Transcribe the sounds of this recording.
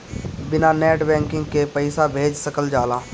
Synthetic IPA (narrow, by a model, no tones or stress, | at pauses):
bɪnanɛːʈbɛ̃ːŋkɪ̃ŋɡkepəɪsabʱeːd͡ʒsəkəld͡ʒaːlaː